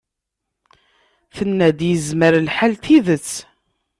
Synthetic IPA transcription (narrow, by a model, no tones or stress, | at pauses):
θənːæd̪jəzməɾlħalt̪iðət͡sː